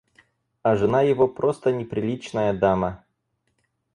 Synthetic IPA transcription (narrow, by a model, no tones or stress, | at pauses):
ɐʐɨnajɪvopɾost̪ənʲɪpɾʲɪlʲit͡ɕnəjəd̪amə